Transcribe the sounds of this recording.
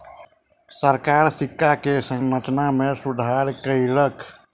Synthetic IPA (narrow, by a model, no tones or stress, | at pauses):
səɾkaɾsikːakesə̃ŋɾət͡ʃnamesud̪ʱaɾkəjlək